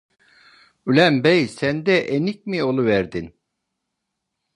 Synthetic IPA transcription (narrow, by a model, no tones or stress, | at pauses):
ylʲæmbɛjsænd̪ɛʔenic̚mio̞lˠuvæɾd̪in